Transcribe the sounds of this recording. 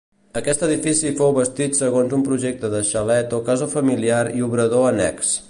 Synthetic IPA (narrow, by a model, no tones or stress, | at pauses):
əkɛst̪əðifisifowβəst̪it̪səɣonzumpɾuʒek̚t̪əðəʃəlɛt̪ɔkazofəmiliaɾiuβɾəðoənɛ̰ks